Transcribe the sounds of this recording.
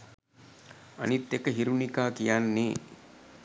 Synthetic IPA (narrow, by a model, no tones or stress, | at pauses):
ɐ̰nit̪ːekəɦiɾunikaːkijanːi